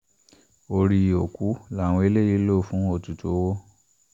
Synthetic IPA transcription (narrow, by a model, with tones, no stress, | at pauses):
o˧ɾi˧˨o˨ku˨˦la˦˨w̃ɔ̃˧˦e˧˦le˦ji˧˦lo˦˨fũ˨˦o˦˨tu˨to˨˦wo˦